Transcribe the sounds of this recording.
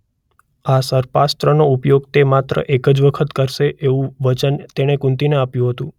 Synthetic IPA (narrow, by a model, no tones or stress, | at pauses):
asəɾpast̪ɾənoupjoɡt̪emat̪ɾə̰ʔekəd͡ʒʋəkʰət̪kəɾʃeʔeʋũʋət͡ʃənt̪eɽ̃ekũnt̪ineapjũɦət̪ũ